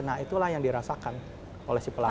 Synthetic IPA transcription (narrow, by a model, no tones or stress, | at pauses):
nait̪ulahjaŋdiɾasakan | olɛhsipəla